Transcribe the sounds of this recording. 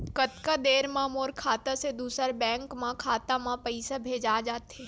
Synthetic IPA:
kɐt̪kad̪eːɾmãːmoːɾkʰaːt̪ased̪uːsəɾbɛ̃ːŋkmãkʰaːt̪amãpəɪsabʱeːd͡ʒaːd͡ʒaːt̪eː

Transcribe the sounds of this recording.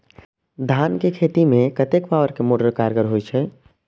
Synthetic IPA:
d̪ʱankekʰet̪imekət̪ekpaʋəɾkemoɖəɾkaɾɡəɾɦojt͡ʃʰɛ

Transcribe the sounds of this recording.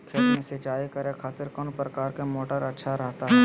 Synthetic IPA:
kʰeːlmẽset͡ʃaːikɐɾekʰaːt̪ɪɾkɔːnpɾɐkaːɾkemoːʈəɾɐtːʃʰaɾɛɦt̪aɦɛ

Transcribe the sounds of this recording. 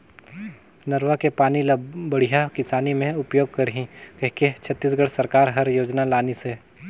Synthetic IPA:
nɐɾʋakepaːnilbɐɽ̤ijakɪsaːnimẽʊpjoːɡ̚kɐɾɦĩkɐɦiket͡ʃʰɐt̪ːiːs̬ɡɐɽsɐɾkaːɾɦɐɾjoːd͡ʒnalaːnise

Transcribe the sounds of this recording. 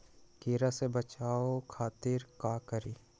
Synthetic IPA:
keːɾasebət͡ʃaːokʰaːt̪ɪɾkaːkəɾiː

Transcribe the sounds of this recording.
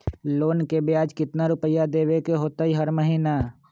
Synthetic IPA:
loːnkebjaːd͡ʒkɪt̪naɾʊpəjad̪eːwekeɦoːt̪aɦiɦəɾməɦiːna

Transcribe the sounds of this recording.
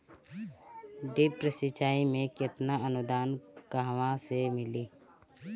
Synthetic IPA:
ɖɪpɾəsɪt͡ʃaːimẽkɪt̪naənʊd̪aːnkaɦʋãsemɪliː

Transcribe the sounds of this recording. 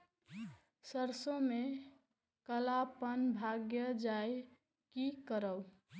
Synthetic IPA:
səɾsõme | kəlapənbʱaɡjəd͡ʒaj | kikəɾəw

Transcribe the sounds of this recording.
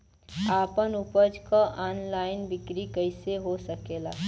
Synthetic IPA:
aːpənupəd͡ʒkaʔaːnlaːɪnbɪkɾikəɪseɦosəkeːla̰ː

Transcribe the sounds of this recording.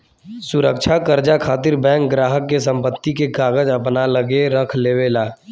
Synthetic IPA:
sʊɾəkʃʰakəɾd͡ʒakʰaːt̪̬ɪɾbɛ̃ːŋk̚ɡɾaːɦəkːes̬ə̃mpət̪ːikeɡaːɡəd͡ʒəpnaləɡeɾəkʰleːweːlaː

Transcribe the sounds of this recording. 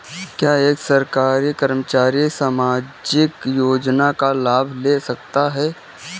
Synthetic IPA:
kjaːeːksɐɾkaːɾikɐɾmət͡ʃaːɾisaːmaːd͡ʒɪkjoːd͡ʒnakalaːbʱlesɐk̚t̪aɦɛː

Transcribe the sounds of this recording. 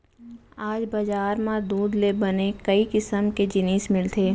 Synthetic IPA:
aːd͡ʒbɐd͡ʒaːɾmãd̪uːd̪lebɐnekɐikɪsəmked͡ʒɪniːsmɪlt̪ʰeː

